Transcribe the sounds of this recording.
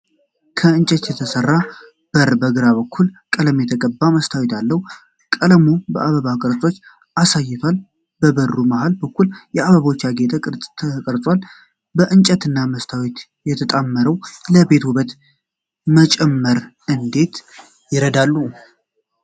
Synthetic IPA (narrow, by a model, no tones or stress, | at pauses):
kʰəɨnt͡ʃʼət̪jɛt̪ʰəsərːa | b̥əɾbəɡɨɾaβəkʰːulkʼələmjɛt̪ʰəkʼəbːaməst̪ʰawet̪ʰalːəhu | kʼələmubəaβəβakʼəɾt͡sʼo̞t͡ʃː | ʔasajːɪt̪ʰal | bəbərːumaɦalbəkːuljɛaβəβaot͡ʃːaɡet̪ʰəkʼɾʼʰəkʼəɾt͡sʼwal | bəʔɨnt͡ʃʼət̪ɨnːaməst̪ʰawet̪ | jɛt̪ʰət̪ʼamːəɾəwləbe̞t̪wuβət̪ | mət͡ʃʼɛmːəɾ | ɨnd̪e̞t̪ | jɪɾəd̪alːu